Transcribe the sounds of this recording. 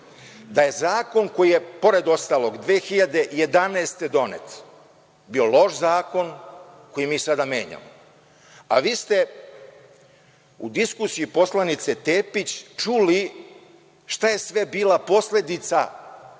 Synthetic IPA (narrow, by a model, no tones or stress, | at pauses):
d̪aje̞zaːko̞nko̞jije̞po̞ɾe̞d̪o̞st̪aːlo̞ɡd̪ʋeːxiʎad̪e̞ʔje̞d̪aneːst̪e̞d̪o̞nḛt̪ | biːo̞lˠo̞ʃzaːko̞n | ko̞jimiːsad̪amḛːɲa̰mo | a̰ʋiːst̪e̞ | ud̪iskusijipo̞slˠanit̪set̪e̞ːpit͡ɕt͡ʃuli | ʃt̪aje̞sʋe̞biːlapo̞sle̞d̪it̪sa̰